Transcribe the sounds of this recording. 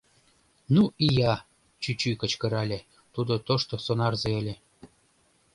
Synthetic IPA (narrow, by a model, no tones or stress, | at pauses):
nuijɑ | t͡ɕyt͡ɕykə̆t͡ɕkə̆ɾɑlʲĕ | t̪ud̪ot̪oʃt̪osonɑrzeĕlʲĕ